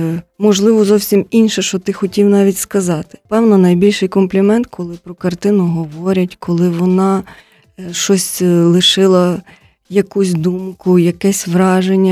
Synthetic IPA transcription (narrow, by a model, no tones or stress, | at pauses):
mɔʒlˠɪʋɔzɔwsʲiminʲʃɛʃt͡ʃɔt̪ɪxɔtʲiwnɑʋʲitʲskɐzɑt̪ɪ̥pɛwnɔnɐjbʲilʲʃɪjkɔmplʲimɛnt̪kʰɔlˠɪpɾɔkɐrt̪ɪnʊɦɔʋɔɾʲɐtʲkʰɔlˠɪʋɔnɑ | ʃɔsʲlˠɪʃɪlˠɐ | jɐkusʲd̪umkʊjɐkɛsʲʋɾɑʒenʲːɐ